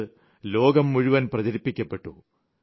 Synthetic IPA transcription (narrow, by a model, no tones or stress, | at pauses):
ɨ | lo̞ːɡɐmːuɻuʋɐnprɐd͡ʑɐɾipːikʲːɐpːe̞ʈːu